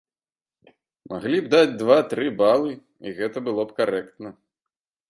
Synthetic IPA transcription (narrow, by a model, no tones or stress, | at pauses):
mʔa̰ɣlʲibd̪ad͡zʲd̪vat̪ɾɨbalˠɨ | iɣɛt̪ɐbɨlˠɔpkaɾɛkt̪nɐ